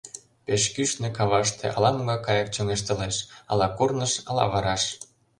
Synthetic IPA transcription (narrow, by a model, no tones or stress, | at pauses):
peʃkyʃnĕkɑβɑʃt̪ḛʔɑ̰lɑmoɣɑkɑjɤ̆k̚t͡ɕoŋeʃt̪ɤ̆leʃɑ̰lɑkurnəʃɑlɑ̰βɑɾɑʃ